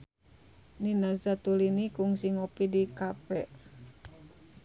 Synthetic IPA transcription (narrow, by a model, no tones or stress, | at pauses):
ninazat̪ulinikuŋsiŋɔpidikapɛʔ